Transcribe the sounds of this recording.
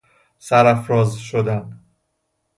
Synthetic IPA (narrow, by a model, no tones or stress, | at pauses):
sæɾæfɾɒːzʃod̪ænd̪